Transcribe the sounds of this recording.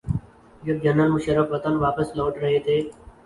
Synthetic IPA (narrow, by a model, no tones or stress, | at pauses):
jəd͡ʒənːəlmʊʃəɾːəfʋət̪ənʋaːpəsloːʈɾəɦeːt̪ʰeː